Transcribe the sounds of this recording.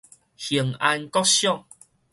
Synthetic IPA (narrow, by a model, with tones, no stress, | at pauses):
hi˨˩əŋa˧nkɔ˦ɕjɔ˥˨ŋ